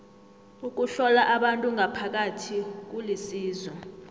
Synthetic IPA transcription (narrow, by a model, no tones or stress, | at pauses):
uk̬uɬɔlaʔaɓantʼuŋapʰak̬atʰik̬ulisiːzɔ